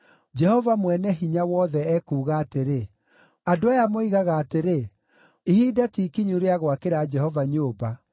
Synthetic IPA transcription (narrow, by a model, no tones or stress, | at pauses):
d͡ʒɛhɔvamwɛnɛɦiɲawɔðɛɛkuːɣaːteɾe | adoajamoiɣaɣaːteɾe | ihiːdatikiɲuɾeaɣwakeɾad͡ʒɛhɔvaɲoːba